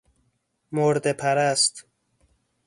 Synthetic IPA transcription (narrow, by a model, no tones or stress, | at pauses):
moɾd̪epʰæɾæst̪